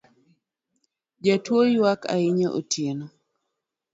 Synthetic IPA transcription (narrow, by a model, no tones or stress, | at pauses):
d͡ʒatwojwaka̰ɪɲaʔo̰tʰjeno